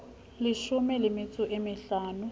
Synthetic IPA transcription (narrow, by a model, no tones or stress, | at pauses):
lɪʃʊmɛlɪmɪt͡sʼʊʔemɪɬaːnʊ